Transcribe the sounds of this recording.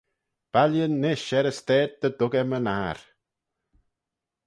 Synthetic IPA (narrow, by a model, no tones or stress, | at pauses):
b̥aljənːeʃɛɾəsteːd̚d̪ədʊɡɛmənaːɾ